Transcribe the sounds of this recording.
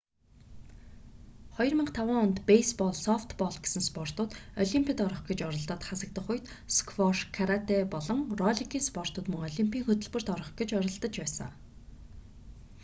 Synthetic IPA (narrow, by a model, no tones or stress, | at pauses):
χɔjrmə̆ɴqt̪ʰawəːŋʊnt̪pejspɔɮsɔft̪pɔɮɡe̥sɘ̆nspɔr̥t̪ʊːt̪ɔɮʲimpʰʲit̪ɔɾɞ̆χɡet͡ɕɔɾɞ̆ɮt̪ɔ̆ːt̪χasə̆k̚t̪ə̆χʊjt̪ | skʰwɔrʃkʰaɾat̪epɔɮɞ̆ŋrɔɮʲiɡiːnspɔr̥t̪ʊːt̪mɵŋɔɮʲimpʰʲiːŋxɵt̪ɵ̆ɮpɵ̆r̥t̪ɔɾɞ̆χɡet͡ɕɔɾɞ̆ɮt̪ə̆t͡ɕpæːsə̰̆ŋ